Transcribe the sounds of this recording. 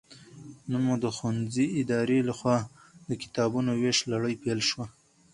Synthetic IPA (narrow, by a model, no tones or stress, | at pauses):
nənmud̪əxwanziɪd̪ɑɾelaxwɑ | d̪əkɪ̥t̪ɑbunoweʃlaɽəjpelʃwa